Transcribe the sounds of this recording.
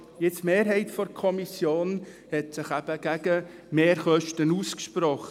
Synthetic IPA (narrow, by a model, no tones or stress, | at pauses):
jɪt͡smeːɾɦɛɪtfɔɾkʰɔmisjoːn | hɛtsɪχæb̥əɡ̥æɡ̥ə | meːɾχœʃtənuːskʃpɾɔχ